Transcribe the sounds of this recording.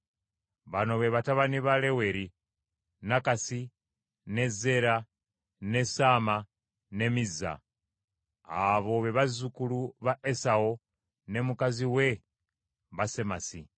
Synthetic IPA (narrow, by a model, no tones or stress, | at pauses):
βano̞βe̞βataβaniβale̞we̞ɾi | nakasi | ne̞ze̞ɾa | nesama | ne̞miza̰ | βo̞βe̞βazukuluβaʔesao | ne̞mukaziwe | βase̞masi